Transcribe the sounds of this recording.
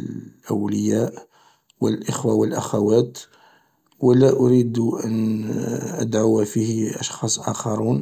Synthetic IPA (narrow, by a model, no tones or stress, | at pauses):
ʔəwləjæʔ | wəlʔəxwawəlʔaxawæt̪ | wəlæʔʊɾid̪ʔə̰n | ʔə̰d̪ʕawafihʔɑʃxɑsˤʔɑ̰xɑɾˤun